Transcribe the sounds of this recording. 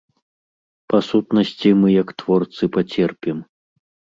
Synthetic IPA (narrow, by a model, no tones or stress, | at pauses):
pasut̪nɐsʲt͡sʲimɨjɐkt̪vɔrt̪sɨpat͡sʲɛrpʲim